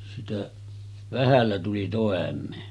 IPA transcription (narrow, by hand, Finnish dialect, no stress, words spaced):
sitæ ʋæhælːæ tuli toˑemˑeː